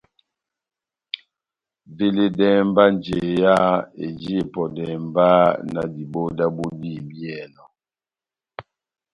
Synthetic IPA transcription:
ve˦le˦dɛ˦mba˦nd͡ʒe˨ja˦ḛ˨d͡ʒi˦e˨pɔ˨dɛ˨mba˦na̰˨di˨bo˦da˦bo˦di˦˨bjɛ˨nɔ˨

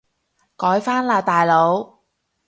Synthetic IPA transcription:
kɔː˨˥jfaː˥nlaː˧jt̪aː˨jlo˨˧w

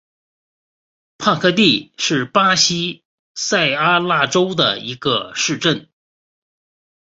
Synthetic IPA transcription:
pʰa˥˧kʰɤ˥˧t̪̬i˥˧ʂɻ̩˥˩pa˥ɕi˥ | sa˥˩ɪa˥la˥˩ʈ͡ʂo˥ʊd̪ə̰˩i˧˥ɡə̰˧ʂɻ̩˥˧ʈ͡ʂə˥˩n

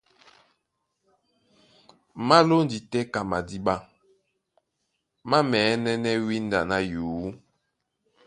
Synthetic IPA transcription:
ma˦lo˦n˨di˨tɛ˦ka˨ma˨di˦ɓa˦ | ma˦mɛː˨˦nɛ˦nɛ˦wi˦n˦da˨na˦juː˨˦

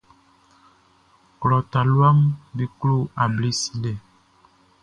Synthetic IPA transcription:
klɔ˨ta˨lwa˦ŋbi˦klo˦˨a˨bli˦si˦lɛ˨

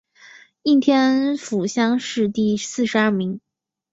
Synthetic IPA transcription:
i˥˩t̪ʰjɛ˥nfu˨˩ɕjɑ˥ŋʂɻ̩˥˧t̪i˥˩sɹ̩˥˧ʂɻ̩˧a˥˩mi˧˥ŋ

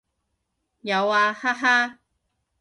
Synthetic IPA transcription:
ja˨˧waː˧ha˥ɦa˦˥

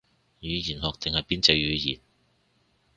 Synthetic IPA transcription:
jyː˨˧jiː˨˩nhɔː˨k̚t̪ɪ˨ŋhɐ˨jpiː˥nt͡sɐ˧jjyː˨˧jiː˨˩n

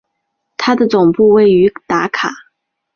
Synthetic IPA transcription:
t̪ʰa˥d̪ə˨t͡sʊ˨˩ŋpu˥˧we˥˩ɪy˧˥t̪a˧˥kʰa˨˩˦

